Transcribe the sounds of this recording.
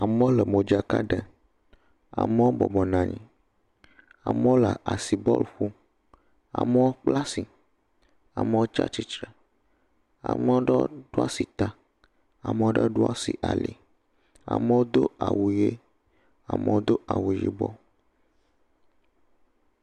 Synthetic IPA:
a˨me˦o˦lə˨mõ˨d͡ʒa˨ka˦ɖə˨ | a̰˨me˦wo˦bɔ˨bɔ˨nã˨ɲḭ̃˦ | a̰˨me˦wo˦la˨a˨si˨bɔ̰˦lɸu˦ | a̰˨me˦wo˦k͡pla˦si˨ | a˨me˦wo˦t͡ʃa̰˦t͡ʃi˨t͡ʃɾə˨ | a̰˨me˦wo˦ɖɛ˦ɖ̥o˦a˦si˨t̪a˨ | a˨me˦wo˦ɖə˦ɖo˦a˦sḭ˨ʔa˨lḭ˨ | a̰˨me˦wo˦d̪o˦a˨wu˨je˦ | a̰˨me˦wo˦d̪o˦ʔa˨wu˨ʒḭ˨bɔ̰˦

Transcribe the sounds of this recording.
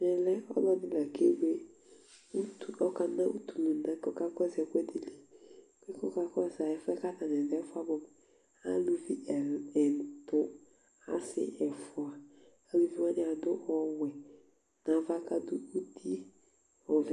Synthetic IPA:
nɛ˨lɛ˦ɔ̰˦lɔ˦dɪ˦la˨kʰe˦ɡ͡be˦ | u˦tɔ˦ka˨nã˦u˦t̪u˨lu˨nã˨˦kɔ˦˨ka˦kɔ˦zɛ˨kʷɛ˦di˦li˨ | kɛ˦kɔ˦ka˦kɔ˦˨za˨ɛ˨fɛ˦ka˦ta˨nɛ̃˨dɛ˨˦fʊ˦a˦bɔ˨ | a˦lu˦vi˦˨ɛ˨tʊ˦ | a̰˦sɪ̰˦ʔɛ˨fʊ˨a˨ | a˦lu˦vi˦wa˦nɪ˦a˨dʊ˦ʔɔ˦wɛ˨ | nã˨˦va˦ka˦dʊ˦u˦ti˦ | ɔ˨vɛ˨

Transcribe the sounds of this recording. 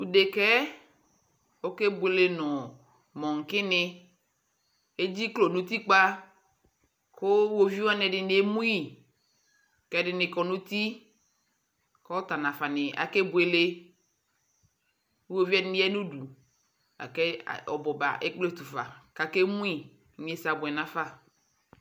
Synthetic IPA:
u˨de˨kɛ˦ | wo˦ke˦bu˨e˨le˦nɔ̃˨ | mɔ̃˨ŋ̩˨kɪ˦nɪ̃˦ | e˦d͡ʑi˦klo˨nũ˦t̪i˦k͡pa˦ | ko˦wo˦vi˦wa˦nɛ˨ɖɪ˨ne˦mũ˦i˦ | kɛ˦ɖɪ˨nɪ̃˨kɔ˨nũ˦t̪i˦ | kɔ˦t̪a˨nã˨fa˨nɪ˨a̰˨ke˦bu˨e˨le˦ | wo˦vi˦a˦dɪ˦nɪ̃˦ɛ˦nũ˦ɖu˨ | a̰˨kɛ̰˦˨ɔ̰˨bɔ˨ba̰˨ʔe˦k͡ple˦t̪u˨fa̰˨ka˨ke˦mũ˦i˨˦ | ɲ˦ẽ˦sa˨bʊ˨ɛ˨nã˨fa˦

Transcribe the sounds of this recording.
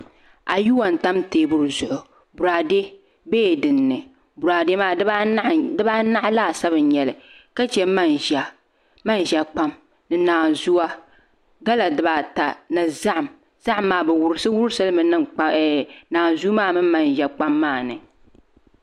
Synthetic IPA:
a˨ju˦wa˨n˨ta˦mteː˨bʊ˨ɾzʊ˨ʔʊ˨ | bu˨ɾaː˨de˦ | beː˦˨dɨ˨nːɨ˨ | bu˨ɾaː˨de˦maː˦˨˦dɨ˦ba˦na˦ʔla˦˨sa˦βɨ˨n˦ɲɛ˨lɨ˨ka˦t͡ʃɛ˦ma˦nʒa˨ | ma˦n˨ʒɛ˨k͡pa˦m | nɨ˨naː˨zu˦a˦ | ɡa˦la˨dɨ˨ba˨ta˨nɨ˨za˦ʔa˨m | z̥a˦ʔmːaː˨bɛ˨wʊ˨ɾɨ˦sɨ˦wʊ˦ɾɨ˦sɨ˦lmɨ˨nɨ˦˨˦naː˨zu˦maː˦˨mɨ˦m˦ma˦nʒɛ˨k͡pa˦mːaː˦˨nɨ˨

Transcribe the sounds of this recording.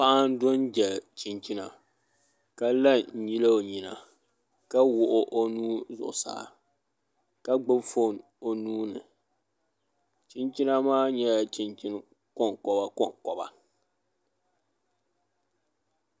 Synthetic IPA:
pa˦a˦n˦do˦nd͡ʒɛ˨lt͡ʃi˨nt͡ʃi˦na̰˨ | ka˦la˦ɲ̩˨ji˦la˦o˨ɲi˨na̰˨ | ka˦wʊ˦ʔʊ˦ʔo˦nuː˦zʊ̰˨ʔsa̰˦˨ | ka˦ɡ͡bɨ˦bfo˦˨n | o˨nuː˦nɨ̰˨ | t͡ʃi˦nt͡ʃi˦na˦maː˦ɲɛ˦˨t͡ʃi˨nt͡ʃi˦n˦ | kɔ˦˨ŋ˨kɔ˨ba˦kɔ˦˨ŋkɔ˨ba̰˨

